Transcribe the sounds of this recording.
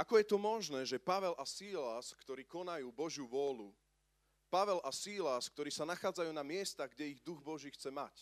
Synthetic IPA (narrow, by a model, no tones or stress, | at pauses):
ʔakɔjɛt̪ɔmɔʒnɛːʒɛpaʋɛlʔasiːlaskt̪ɔɾiːkɔnajuːbɔʒjuʋʊɔlu | paʋɛlʔasiːlask̚t̪ɔɾiːsanaxaːd͡zajuːnamɪɛst̪aɣɡɟɛiɣd̪uɣbɔʒiːxt͡sɛmac